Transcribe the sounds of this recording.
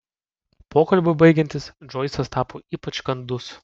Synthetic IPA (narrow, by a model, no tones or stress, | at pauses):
poːkɐlʲbʲʊbɐɪɡʲɛnʲt̪ʲɪsd͡ʒɔɪsʲɐst̪ɑːpoːiːpɐt͡ʃkɐnd̪ʊs